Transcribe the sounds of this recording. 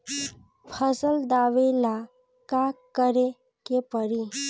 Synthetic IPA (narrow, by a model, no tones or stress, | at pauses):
fʰəsəld̪aʋela | kakːəɾe | kepəɾi